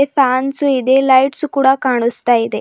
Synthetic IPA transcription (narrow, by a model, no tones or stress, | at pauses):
efaːnsuid̪elajʈsukuːɽakaːɽ̃ust̪aid̪e